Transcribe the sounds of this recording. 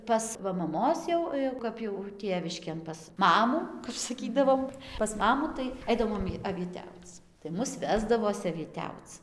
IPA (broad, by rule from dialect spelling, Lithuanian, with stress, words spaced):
ˈpɐs ʋɐ mɐˈmoːs jɛʊ jɛʊ ˈkɐp jɛʊ ˈtʲeːʋʲɪʃʲkʲeːn pɐs ˈmɑːmuː kɐp sɐˈkʲiːdɐʋoːm pɐs ˈmɑːmuː tɐɪ ˈɐɪdɐʋoːm ɐʋʲiɛˈtʲɛʊt͡s tɐɪ ˈmʊs ˈʋʲæːzdɐʋoːs ɐʋʲiɛˈtʲɛʊt͡s